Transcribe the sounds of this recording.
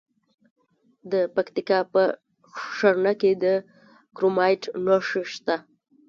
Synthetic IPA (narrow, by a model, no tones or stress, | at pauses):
d̪əpakt̪ikɑpə | ʂaɾnaked̪ə | kɾomɑjʈnoʂiʃt̪a